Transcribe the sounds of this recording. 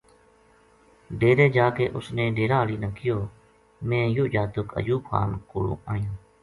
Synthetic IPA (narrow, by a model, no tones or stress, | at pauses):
ɖeːɾeːd͡ʒaːkḛːʔʊsnẽːɖeːɾaːɦliːnəkɪjoː | mẽːjʊʔd͡ʒaːt̪ʊkə̰d͡ʒuːpʰa̰ːnkoːɽõ̰ːʔaːjãː